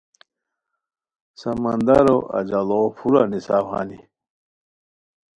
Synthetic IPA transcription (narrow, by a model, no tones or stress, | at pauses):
sɐmɐnd̪ɐɾoʔɐ̰d͡ʑɐlopuɾanisaːwha̰ni